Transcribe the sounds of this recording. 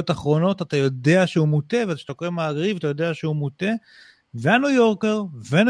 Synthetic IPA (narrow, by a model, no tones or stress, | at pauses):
otaχʁo̞no̞tat̪ajo̞de̞aʃeumute̞veat̪aʃt̪okemaːɡʁivat̪ajo̞d̪e̞aʃeumut̪e̞ | veanujo̞ʁke̞ʁven